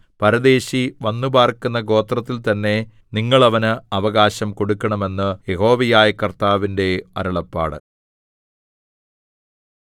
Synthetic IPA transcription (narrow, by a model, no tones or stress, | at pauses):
pɐɾɐd̪e̞ːɕiʋɐnːubaːrkunːɐɡo̞ːt̪rɐt̪ːilt̪ɐnːe̞ | niŋːɐɭɐʋɐnɨɐʋɐɣaːɕɐmko̞ɽukːɐɳɐme̞nːɨje̞ɦo̞ːʋɐjaːjɐkɐrt̪aːʋinde̞ɐ̰ɾɐɭɐpːa̰ːɽɨ̰